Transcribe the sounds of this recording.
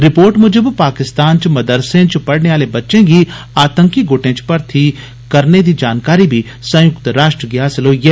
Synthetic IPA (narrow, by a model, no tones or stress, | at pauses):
ɾɪpoːɾʈmʊd͡ʒəbpaːkɪst̪aːnt͡ʃmɐd̪əɾsẽt͡ʃpɐɽneaːlebɐtːʃẽːɡiaːt̪ə̃ŋkiɡoːʈẽːt͡ʃpɐɾt̪ʰi | kɐɾned̪iːd͡ʒaːnkaːɾibʱi | sɐ̃jʊkt̪ɾaːʃʈɾəɡɪaːsɪlɦoːijɛː